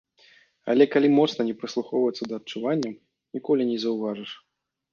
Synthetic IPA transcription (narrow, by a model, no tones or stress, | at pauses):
ɐ̰lʲɛkalʲimɔt̪snɐnʲɛpɾɨslˠuxɔwvɐjt̪sːɐd̪ɐːt̚t͡ʂːuvanʲːɐ | nʲikɔlʲinʲɛzɐwvaʐɨʂ